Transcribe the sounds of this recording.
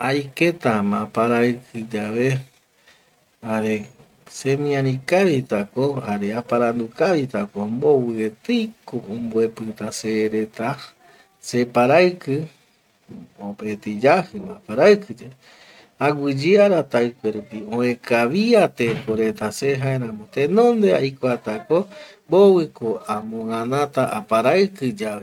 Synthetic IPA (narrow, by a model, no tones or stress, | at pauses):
ajket̪amãpaɾaɨkʰɨd͡ʒaβe̞ | aɾe̞ | semĩãɾĩkaβit̪akohaɾeapaɾand̪ukaβit̪akombo̞wɨet̪ɨjkoʔõmboepɨt̪aseɾe̞t̪a | se̞paɾaɨkɨ | opet̪id͡ʒahɨmã̰paɾakɨd͡ʒe | aɡʷɨd͡ʒiaɾat̪ajkʷeɾupiõẽkʰaβiat̪ekoɾe̞t̪aseɦaeɾãmõt̪ẽnõnd̪ea̰jkʷat̪akombowɨkoamõãnãt̪aʔapaɾaɨkɨd͡ʒaβe